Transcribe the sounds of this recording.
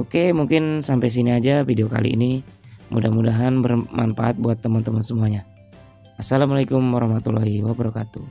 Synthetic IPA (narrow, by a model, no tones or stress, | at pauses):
okemuŋkɪnsampajs̬iniad͡ʒafideoka̰lḭːnimudahmudaɦanbərmʔanfaʔat̪̚buat̪ːəmənt̪əmənsəmuaɲa | asalamalakʊmwaɾahmat̪ulaɦiwabəɾakat̪u